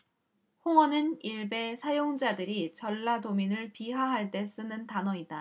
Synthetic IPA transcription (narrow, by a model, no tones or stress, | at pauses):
hoŋʌnɯniɭbe̞sʰajoŋd͡ʑadɯɾit͡ɕʌɭːadominɯɭpiɦaɦaɭt͈e̞s͈ɯnɯntanʌida